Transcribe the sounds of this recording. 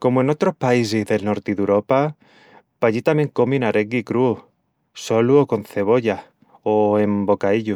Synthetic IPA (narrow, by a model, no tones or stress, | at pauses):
ko̞moe̞no̞t̪ɾo̞hpais̬ezðe̞lno̞ɾt̪iðuɾo̞pa | paʎit̪amjeŋko̞minaɾʔeɡikɾu | so̞luoko̞n̟θe̞β̞o̞ʎa | oe̞mbo̞kaiʎu